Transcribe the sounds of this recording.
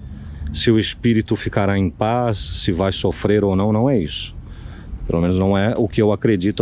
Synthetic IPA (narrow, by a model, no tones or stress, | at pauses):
sɪʊespiɾit̪ʊfikaɾaẽj̃pasːɪvajsofɾeɾownɐ̃w̃nɐ̃w̃ɛisʊ̥ | pelʔo̰mẽnʊznɐ̃w̃ɛʊkɪewakɾed͡ʒit̪ʊ